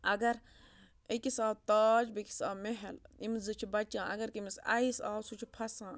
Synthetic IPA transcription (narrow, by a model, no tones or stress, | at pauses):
ɐɡɐɾ | ekisaːwt̪aːd͡ʒbikʲi̥saːmeɦelimzɨt͡ʃʰibɐt͡ʃãːɐ̰ɡɐɾkimisɐ̰isaːwsut͡ʃʰipʰɐsãː